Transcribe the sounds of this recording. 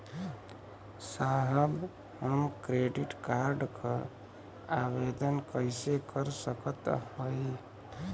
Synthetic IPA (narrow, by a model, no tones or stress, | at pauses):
saɦəb | həmkɾeɖiʈkaɾɖkʰə | abed̪ənkəɪsekəɾsəkət̪hoj